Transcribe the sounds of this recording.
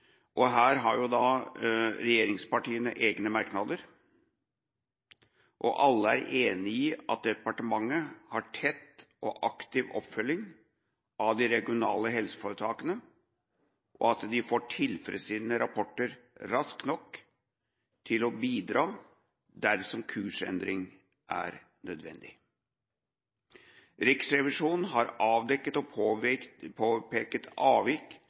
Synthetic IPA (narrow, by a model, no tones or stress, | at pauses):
ʔɔɦæːɾɦɑɾjʊd̪ɑ | ɾɛjeːɾɪŋspɑʈiːənəʔeːɡnəmæɾknɑd̪əɾ | ʔɔʔɑlːəæ̰ɾeːnɪɪɑ̰t̪̚d̪ɛpɑʈəmɑŋːəhɑʈʰɛt̪ːʔɔ̰ʔɑkt̪ɪʋɔ̰pːfœlːɪŋ | ʔɑʋd̪ɪɾɛɡɪʊnɑ̰ːləɦɛlsə̥foːɾət̪ʰɑːkənə | ʔɔɑt̪d̪ɪfoːʈʰɪlfɾə̰siːd̪nəɾɑpʰɔʈːəɾɾɑsknɔk | t̪ʰɪlɔbiːd̪ɾɑː | d̪æɾsɔmkʰʉːʂɛ̰nd̪ɾɪŋ | ʔæ̰ɾ | nœd̪ʋɛ̰nd̪ɪ | ɾɪksɾɛʋɪʂuːnn̩ɦɑɾɑːʋd̪ɛkːət̪ɔ | pʰoːpeːkət̪ɑːʋɪk